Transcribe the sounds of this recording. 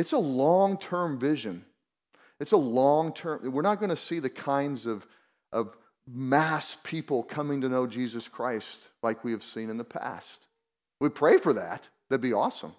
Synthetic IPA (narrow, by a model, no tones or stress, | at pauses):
ɨtsəlɔ̃ŋtʰɜ̃˞ɱvɪʒɨ̃n | ɨtsəlɔ̃ŋtʰɜ̃˞mwɨɹnət̚ɡ̥ʌñɨsiðɨkʰãɪ̃ndzʌv̥ | ʔʌv | mæspʰipl̩ˠkʰʌmɪ̃ŋtɨnoʊd͡ʒizɨskʰɹ̥aɪstlaɪkwiɨv̥sĩnɨ̃nðəpʰæ̰st̚ | wipʰɹ̥eɪfə˞ðæ̰t̪̚ | ðɨbiɔsə̰̃m